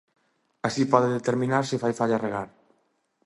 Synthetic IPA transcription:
asipɔðɪðet̪eɾmĩnaɾsɪfajfaʎareɣaɾ

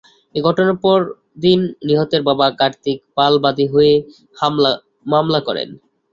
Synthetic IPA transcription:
eɡʱɔʈoneɾpɔɾ | d̪inːiɦot̪eɾbabakaɾt̪ik̚palbad̪iɦoe | hamla | mamlakɔɾḛn

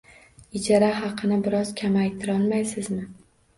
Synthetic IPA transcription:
ɪd͡ʒaɾaɦɑqʰɨnɪbɪɾɒz̥kʲʰamajt̪ʰɪɾɒlˠmajsɪzmɪ

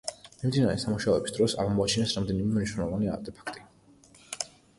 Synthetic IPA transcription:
mimd̪inaɾɛsamuʃaɔɛbi̥sd̪ɾɔsa̰ʁmɔat͡ʃʰinɛsɾamd̪ɛnimɛmniʃwnɛlˠɔvania̰ɾt̪ʼɛpʰḁkʰt̪ʼi̥

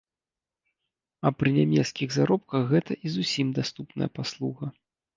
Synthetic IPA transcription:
ɐpɾɨnʲamʲɛt̪skʲiɣzaɾɔp̚kɐɣːɛt̪ɐʔizusʲimd̪ast̪upnɐ̰jɐ̰paslˠuɣɐ

